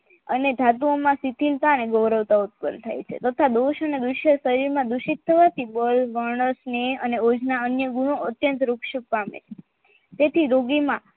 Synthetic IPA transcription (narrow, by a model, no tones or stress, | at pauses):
əned̪ʱat̪uomãsit̪ʰilt̪aəneɡɔʋɾəʋt̪aut̪̚pə̰nt̪ʰa̰jt͡ʃʰḛt̪ət̪ʰad̪oʃəned̪uʃjəsəɾiɾmãd̪uʃit̪ʰːəʋat̪ʰibəlʋəɳəsneəneod͡ʒnaənjəɡuɽ̃oət̪jə̃nt̪ɾukʃəpamḛt͡ʃʰe̥ | t̪et̪ʰiɾoɡimã